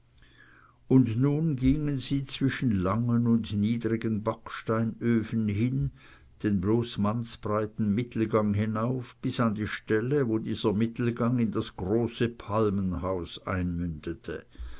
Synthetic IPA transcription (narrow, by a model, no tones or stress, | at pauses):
ʊndnuːnɡɪŋənziːt͡sv̥ɪʃn̩laŋənʊndniːdʁɪɡənbakʃtaɪnøːfn̩ɦɪn | d̥eːnbloːsmansb̥ʁaɪtn̩mɪtʰl̩ɡaŋɦɪnaʊfb̥ɪsandiːʃtɛləvoːdiːzɐmɪtl̩ɡaŋɪndasɡ̥ʁoːsəpʰalmənhaʊsʔa̰ɪnmʏndətʰə̰